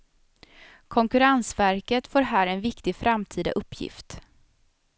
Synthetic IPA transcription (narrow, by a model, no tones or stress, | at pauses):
kʰɔŋkɵɾansvæɾkət̪foːɾɦæːɾɛnvɪkt̪ɪfɾamt̪ʰiːd̪a̰ʔɵpʰːjɪ̰ft̪